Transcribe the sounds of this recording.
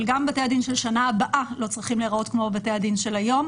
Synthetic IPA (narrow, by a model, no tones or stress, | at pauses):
lɡambatejadinʃelʃanaabaʔalo̞t͡sʁiχimleʁao̞tkmo̞batejad̪inʃe̞lajo̞m